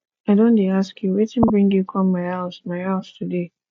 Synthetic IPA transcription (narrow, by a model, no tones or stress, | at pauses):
aɪdõndiaskjuwetɨ̃nbɹɪ̃ŋɡjukʰɔ̃mmaɪaʊsmaɪalstʰude